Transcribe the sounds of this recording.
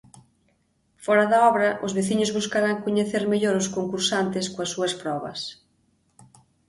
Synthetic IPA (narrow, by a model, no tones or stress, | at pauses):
fɔɾɐðɐɔβɾɐʔʊzβeθiɲʊzβuskaɾaŋkoɲeθeɾmeʎoɾʊskoŋkuɾsant̪ɪskoɐsːuɐspɾɔβɐ̰s